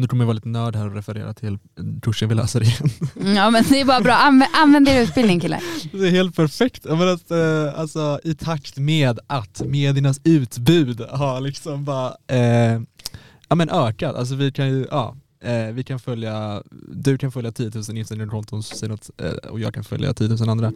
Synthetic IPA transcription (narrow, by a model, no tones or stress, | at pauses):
nʉ̟kʰɔmnjvɑːɪt̪ənœːɖhæːɾɔɾɛfɛɾḛːɾa̰t̪ʰɪl | k̪ʰɵʂːənvɪlœ̰ːsadɾɪjɛnɑːmɛnd̪ɛɛbɑːɾabɾɑːanɛʔanvɛnd̪eːɾaʉ̟ːt̪̚bɪlɪŋkʰɪlːa̰d̪ɛheːlt̪̚pʰæɾfɛkt̪jaːmɛnat̪a̰lsɔɪt̪ʰakt̪meːd̪ʔat̪meːd̪ɪanasʉ̟ːt̪bʉ̟ːd̪haɾlɪksɔmbɑːɾa | ɑːmɛnʔœːkad̪a̰ls̬ɔvɪkʰanjɵʔɑ̰ː | vɪkʰanfœljad̪ɵkʰanfœljat̪ʰiːət̪ʰʉːsənɪsɛnnɾʰɔnt̪ʰɔnsɔsɛjənɔt̪ːɔ̰jɑ̰ːɡkʰanfœ̰lja̰t̪iːət̪ʰʉːsənand̪ɾa